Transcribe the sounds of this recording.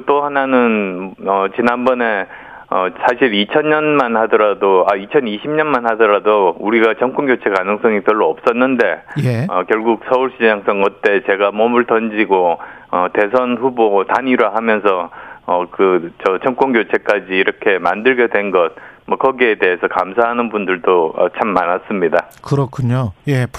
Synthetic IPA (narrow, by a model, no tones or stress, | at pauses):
t͈oɦananɯnʌt͡ɕinanbʌne̞ | ʌsʰaɕʰiɾit͡ɕʰʌnɲʌnmanhadʌɾadoait͡ɕʰʌniɕʰimɲʌnmanhadʌɾadouɾiɡat͡ɕʰʌŋk͈ʰoŋɡjot͡ɕʰe̞kanɯŋs͈ʌŋipjʌɭːoʌp̚s͈ʌnːɯnde̞jʌkjʌɭɡuk̚sʰʌuɭɕ͈ijaŋs͈ʌŋʌt͈e̞t͡ɕe̞ɡamʌmuɭtʌnd͡ʑiɡoʌte̞sʰʌnɸubotaɲiɾwaɦamjʌnsʰʌʌkɯt͡ɕʌt͡ɕʰʌŋk͈onɡjot͡ɕʰe̞k͈ad͡ʑiːɾʌkʰe̞mandɯɭɡjʌdwe̞nɡʌt̚mwʌkʌɡiete̞ɦesʰʌkamsʰaɦanɯnbundɯɭdoʌ̰t͡ɕʰamːanas͈ɯmɲidakɯɾʌkʰuɲoje